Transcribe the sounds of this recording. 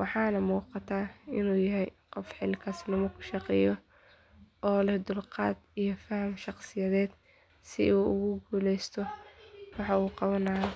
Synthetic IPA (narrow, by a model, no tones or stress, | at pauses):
wɑħɑːnɐmuːqɑt̪ʰaːɪnuːjɐɦɛjqɔfħɪlkʰasnɐmɐkʰʊ̥ʃɑqɛjɔ | ɔːlɛhd̪ʊlqɑ̰ːd̪ijɔfɐhɐmʃɑqsɪjɐðɛːd̪̥ | sɪuːʊɣʊɡuːlɛjst̪ʰɔwɑħɑuːqɑβɐnɐjɔ